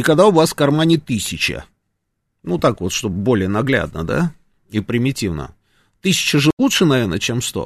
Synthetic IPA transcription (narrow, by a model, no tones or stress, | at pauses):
ikɐɡd̪aʊvaskɐrmanʲɪt̪ɨsʲɪt͡ɕɪ̰ | nut̪akvo̞t̪ʂt̪obbo̞lʲɪjənɐɡlʲæ̰d̪̚nə̰d̪a̰ | ipɾʲɪmʲɪtʲivnə̰ | t̪ɨsʲɪ̥t͡ɕəʐɨlˠutʂɨnɐvʲernə̰t͡ɕemst̪o̰